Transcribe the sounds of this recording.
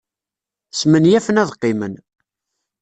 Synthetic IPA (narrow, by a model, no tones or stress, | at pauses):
smənjæfənæðqːɪmən